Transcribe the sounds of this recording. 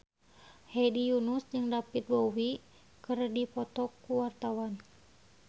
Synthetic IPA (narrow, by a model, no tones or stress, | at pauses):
hɛdijunusd͡ʒɨŋdapit̪̚bowi | kɨrdipɔt̪ɔkuwart̪awan